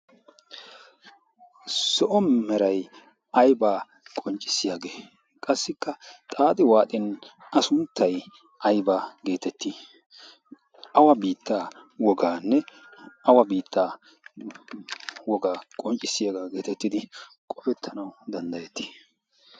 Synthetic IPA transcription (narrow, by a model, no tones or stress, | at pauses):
sɔʔɔmmɛɾɐj | ɐjbaː | kʼɔnt͡ʃʼːɪ̥sːɪjaːɡeː | kʼɐsːɪkːɐt̪ʼaːt̪ʼɪwaːt̪ʼɪnɐsʊnt̪ʰːɐj | ʔɐjbaːɡe̞ːt̪ɛt̪ːi | ʔɐwɐbiːt̪ːaːwɔɡaːnːɛ | ɐwɐbiːt̪ːaː | wɔɡaːkʼɔnt͡ʃʼːɪsːɪjaɡaːɡe̞ːt̪ɛt̪ːɪd̪ɪ | kʼɔbɛt̪ʰːɐnɐwd̪ɐnd̪ɐjɛt̪ːi̥